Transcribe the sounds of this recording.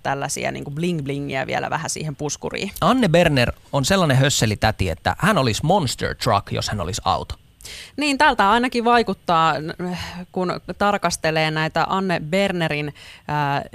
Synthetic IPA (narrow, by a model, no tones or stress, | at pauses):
t̪ælːæsḭæ̰nḭːŋkubliŋɡbliŋːḭæ̰ʋḭelæ̰ʋæ̰hæsḭːhempuskṵrḭːɑnːeberneronselːɑnehøsːelit̪æt̪iḛt̪ːæ̰hænolismonst̪ḛrt̪rɑ̰kjo̰shæno̰lisɑ̰ut̪o̥ | niːnt̪æːlt̪æɑinɑkiʋʋɑikut̪ːɑː | kunt̪ɑrkɑst̪eleːnæit̪æʔɑnːeberneɾinː